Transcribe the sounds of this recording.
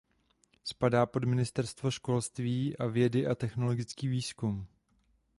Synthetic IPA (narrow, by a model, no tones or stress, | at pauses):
spadaːpo̞dmɪnɪst̪ɛɾst̪vo̞ʃko̞lst̪viːʔavjɛdɪʔat̪ɛxno̞lo̞ɡɪt͡skiːviːskum